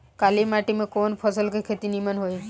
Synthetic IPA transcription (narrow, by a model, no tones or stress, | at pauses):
kalimaʈimẽkonpʰɔsəlkekʰet̪inimanɦoj